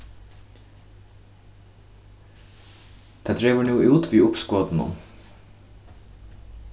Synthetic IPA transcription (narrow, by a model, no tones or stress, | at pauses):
t̪ʰad̪ɾɛːvʏnuːʔuːt̪viːʊpskɔːt̪ɪnʊ̰m